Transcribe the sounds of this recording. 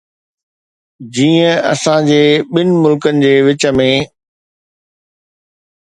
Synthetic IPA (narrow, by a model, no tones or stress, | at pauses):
d͡ʑiːə̃ɐ̰sãd͡ʑeːɓɪnɪ̆mʊlkənɪ̆d͡ʑeːʋɪt͡ɕə̆mẽ